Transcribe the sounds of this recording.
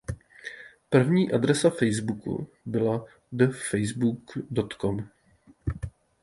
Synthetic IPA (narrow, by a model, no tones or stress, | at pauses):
pr̩vɲiːʔad̪ɾɛsafɛjzbukṵ | bɪla | dəfɛjzbukdot̪kom